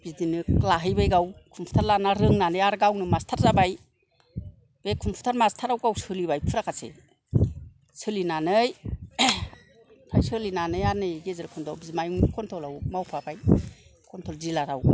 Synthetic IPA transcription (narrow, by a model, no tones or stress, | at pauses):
b̥izdinɯklaɦɯjbajɡawkʰumpʰtʰaɾlanaɾɯŋnanɯjaɾɡawnɯmastʰaɾzabaj | b̥ekʰumpʰu̥tʰaɾmastʰaɾawɡawsɯlibajpʰɯɾakʰasḛ | sɯlinanɯj | pʰajsɯlinanɯjanɯjɡezɯlkʰɔntʰawbizmajuŋkʰɔntʰɔlawmawpʰabajkʰɔntʰɔlzilaɾaw